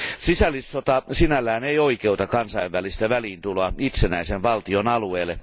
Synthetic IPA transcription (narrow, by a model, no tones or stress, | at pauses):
sisælːˑisːot̪ɑsinælːæːneioikeut̪ɑkɑnsɑiʋʋælist̪æʋæliːnt̪uloɑit̪senæiseʋʋɑlt̪ionɑlueːlːˑe